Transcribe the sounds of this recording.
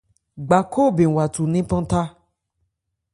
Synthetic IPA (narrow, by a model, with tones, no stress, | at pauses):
ɡ͡ba˨ko˦˨bĩ˨wa˨tu˨nĩ˦pɔ̃˦ta˦